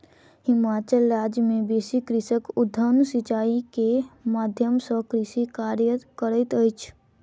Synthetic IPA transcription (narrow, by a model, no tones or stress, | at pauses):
hɪmat͡ʃəlɾad͡ʒmebesikɾɪsəkʊd̪ʱːənsit͡ʃaːikemad̪ʱjəmsə̃kɾisikaɾjəkəɾəɪt̪əjt͡ʃʰ